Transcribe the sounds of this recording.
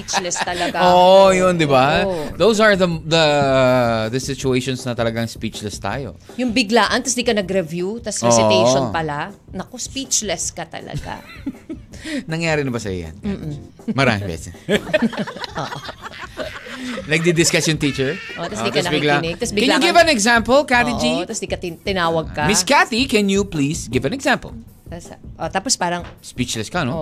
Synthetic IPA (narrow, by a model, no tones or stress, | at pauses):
pit͡ʃlɛst̪ɐlɐɡoːʔjond̪ɪbaðowsɐɹðɐd̪ɐ | ðɐsɪt͡ʃʊejʃonsnɐt̪ɐlɐɡɐŋspiːt͡ʃlɛst̪a̰ːjo̞̰ | jʊŋbɪɡlaːʔɐnt̪ɐsd̪iːkɐnɐɡɾɛvjut̪ɐsɾɛosɪejʃonpɐlanɐkospit͡ʃlɛskɐt̪ɐ̰lɐ̰ɡa̰ | nɐŋjaːɾɪnɐbɐsɐ̰jo̰jɐ̰n̩ː | mɐɾa̰ːmɪbɛ̰sɛ | ʔoʔ | nɐɡ̚d̪id̪ɪskasjont̪it͡ʃɛɹʔot̪ɐsd̪t̪kɐnɐkbɪɡlanɪɡ̚t̪ɐsbɪkɛnljʊɡɪvɐnɛɡsãmpɐlkat̪ɪd͡ʒit̪ɐsd̪ikɐt̪ɪnaːwɐɡ̚kɐmɪskat̪ikɛnjuplisɡɪvɐ̃nɛɡsampɐ̰l | t̪ɐsʔot̪aːpospaːɾɐŋspit͡ʃlɛskɐɐno